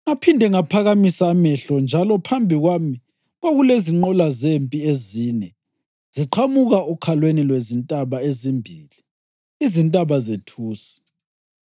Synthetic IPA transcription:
ŋapʰindʱɛŋapʰaɣamisaːmɛɬɔnd͡ʒʱalɔpʰambʱiɣwami | ɣoɣuleziŋ͡ǃɔlazempʼiezinɛ | z̥iǃʰamuɣaɔkʰalwenilwezintʼaβaezimbʱiːli | izintʼaβazetʰuːsi̥

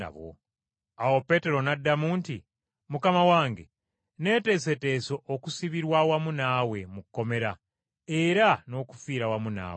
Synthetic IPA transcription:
a̰βo̰ | awo̞pe̞te̞ɾo̞nadːamuːnti | mukamawaːŋɡe | ne̞ːte̞ːsete̞ːso̞ʔokusiβiɾwawamunaːwe̞mukːo̞me̞ɾa | e̞ɾano̞ːku̥fiːɾawamuna̰ː

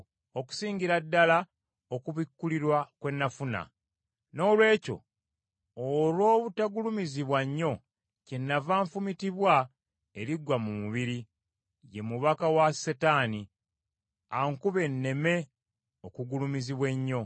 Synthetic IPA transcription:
oku̥siːɲɟiɾadːala | okuβikːuliɾwakwe̞nːafuna̰ | no̞ːlwe̞ːco̞̰ | olwo̞ːβutaɡulumiziβwaɲːo̞ | cenːavaːɱfumitiβwa | eɾiɡwamumuβiɾi | je̞muβakawasetaːni | aŋkuβe̞nːe̞me̞ | okuɡulumiziβwe̞ɲːo̞

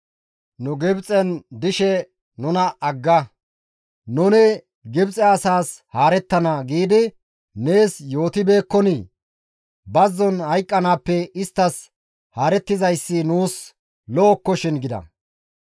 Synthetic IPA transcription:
nʊɡɪbt͡sʼɛnd̪ɪʃɛ | nʊnɐʔɐɡːɐ | nʊnɛ | ɡɪbt͡sʼɛɐsaːshaːɾɛt̪ːɐnɐɡiːd̪ɪ | ne̞ːsjo̞ːt̪ɪbe̞ːkːɔni | bɐzːɔnhɐjkʼːɐnaːpːɛɪst̪ːɐs | haːɾɛt̪ːɪzɐjsːɪnuːs | lɔːkːɔʃɪnɡɪd̪ɐ̰

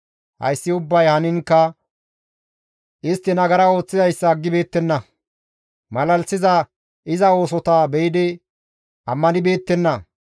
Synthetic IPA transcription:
hɐ̰jsːɪʊbːɐjhɐnɪŋkːɐ | ʔɪst̪ːɪnɐɡɐɾɐo̞ːt͡sːɪzɐjsːɐːɡːɪbe̞ːt̪ːɛnːɐ | mɐlɐlsɪzɐ | ʔɪzɐo̞ːs̬ɔt̪abɛjɪd̪ɪ | ʔɐmːɐnɪbe̞ːt̪ːɛnːɐ

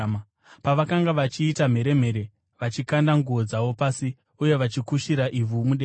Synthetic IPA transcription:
paʋakaŋɡaʋat͡ʃiːtam̤e̞ɾe̞m̤e̞ɾe̞ | ʋat͡ʃikandaŋɡuod͡zaʋo̞paːsi | uje̞ʋat͡ʃikuʃiɾaʔivumuɗe

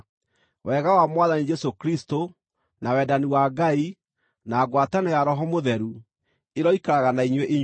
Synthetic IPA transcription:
wɛɣawamwaðanid͡ʒɛsokɾisto | nawɛdaniwaɡai | naːɡwatanɛjaɾɔɦɔmoðɛɾu | eɾɔikaɾaɣanaiɲweʔeɲ

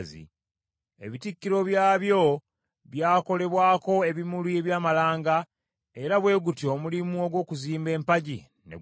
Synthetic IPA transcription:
zḭ | e̞̰βitikːiɾo̞βjaːβjo̞ | βjaːko̞le̞βwaːko̞e̞βimulie̞βjaːmalaːŋɡa | e̞ɾaβwe̞ːɡutio̞mulimuo̞ɡwo̞ːkuziːmbe̞ːmpaɟi | nḛ

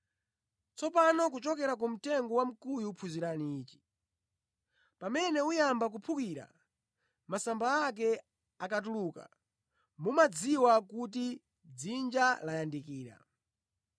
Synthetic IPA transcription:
t͡sɔpanɔk̬ut͡ʃɔkɛɾak̬um̩tɛŋɡɔwam̩kujuːpʰuziɾaniːt͡ʃi̥ | pamɛnɛujambak̬upʰukiɾa̰ | masambaːk̬ɛ | akatuluka̰ | mumad͡ziwakut̬i | d͡zind͡ʒalajandikiːɾa̰

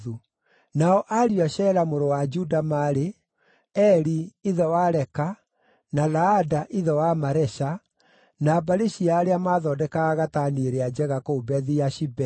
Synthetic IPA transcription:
u | naɔʔaɾiaɕɛɾamoɾowad͡ʒudamaɾe | ɛɾiiðɔwaɾɛka | nalaːdaʔiðɔwamaɾɛʃa | naːbaɾeɕiaːɾeamaðɔdɛkaːɣataneɾead͡ʒɛɣakoːbɛðiaʃibɛ

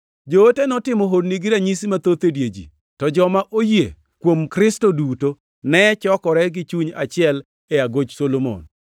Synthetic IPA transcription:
d͡ʒootenɔtɪmɔɦodniɡiɾaɲisimat̪ot̪edjed͡ʒḭ | tɔd͡ʒɔmaʔojḛ | kwomkɾɪstoduto | nɛt͡ʃɔkɔɾɛɡɪt͡ʃuɲa̰t͡ʃɪɛl | ɛaɡod͡ʒsolomo̰n

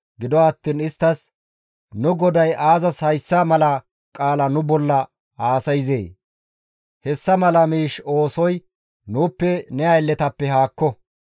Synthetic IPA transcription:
ɡɪd̪ɔɐt̪ːiːnɪst̪ːɐs | nʊɡɔd̪ɐjʔaːzɐshɐjsːaːmɐlɐ | kʼaːlɐnʊbɔlːɐ | aːsɐjze̞̰ː | hɛsːɐmɐlɐmiːʃo̞ːsɔj | nuːpːɛnɛɐjlːɛt̪ɐpːɛɦaːkːɔ

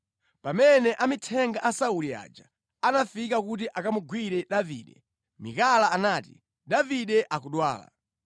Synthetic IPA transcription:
pamɛnɛʔamitʰɛŋɡaʔasaulia̰ːd͡ʒa | anafikakut̬iʔakamuɡwiɾɛɗaviːɗɛ̰ | mḭkalaːnaːtḭ | ɗaviɗɛʔakuɗwa̰ːla̰

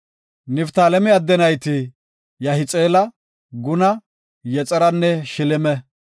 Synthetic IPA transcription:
nɪft̪aːlɛmɪɐd̪ːɛnɐjt̪ɪ | jɐhɪt͡sʼeːlɐ | ɡʊnɐ | jɛt͡sʼɛɾɐnːɛʃɪlɪmɛ

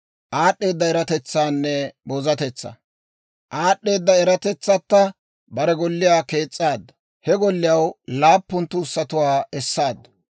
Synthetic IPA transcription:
ʔaːɗːe̞ːd̪ːɐɛɾɐt̪ɛt͡sːaːnːɛbɔzɐt̪ɛt͡sːɐ̰ | ʔaːɗːe̞ːd̪ːɐɛɾɐt̪ɛt͡sːɐt̪ːɐ | bɐɾɛɡɔlːɪjaːke̞ːt͡sʼːaːd̪ːɐ̥ | hɛɡɔlːɪjɐwlaːpːʊnt̪ːʊːsːɐt̪ʊwaːɛsːaːd̪ːɐ̥

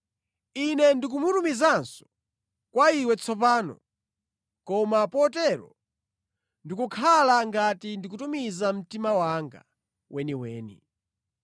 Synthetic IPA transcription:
inɛndik̬umutumizansɔ̥ | kwaiwɛt͡sʰɔp̬aːnɔ̰ | kɔmapɔtɛɾɔ̰ | ndikukʰalaŋɡatindikutumizam̩timawaŋɡa̰ | wʔɛniwɛːnḭ

